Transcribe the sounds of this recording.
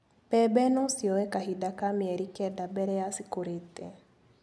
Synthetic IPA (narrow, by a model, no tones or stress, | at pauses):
pɛbɛnɔsiɔwɛkaɦidakamiɛɾikɛdabɛɾɛasikoɾetɛ